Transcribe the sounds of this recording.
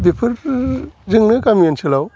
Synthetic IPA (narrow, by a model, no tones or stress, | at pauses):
bepʰɯɾ | zɯŋnɯkamiensɯlaw